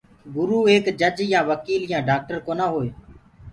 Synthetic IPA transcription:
ɡʊɾuːeːkd͡ʒəd͡ʒjãːʋəkiːljãːɖaːk̚ʈəɾkoːnãːɦoːeː

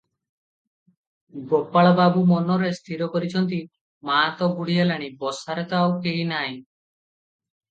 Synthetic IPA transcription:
ɡopaɭɔbabumɔnɔɾest̪ʰiɾɔkɔɾit͡ʃʰɔnt̪i | maːt̪ɔɡuɽialaɽ̃ibɔsaɾet̪ɔawkeinaj̃

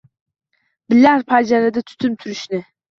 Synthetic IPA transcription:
bɪlæɾpʰad͡ʒaɾad̪at̪ʰy̥t̪ʰymt̪ʰyɾyʃnɪ

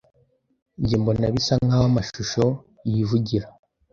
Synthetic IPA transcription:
ɲɟiːmbo̞naβisaŋɡawamaʃuʃo̞ | jivuɟiɾa

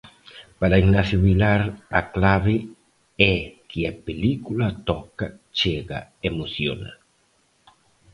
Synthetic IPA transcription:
paɾaiɡnaθjoβilaɾa̰klaβɪ | ɛkɪapelikulat̪ɔkat͡ʃeɣa̰emoθjo̰na̰

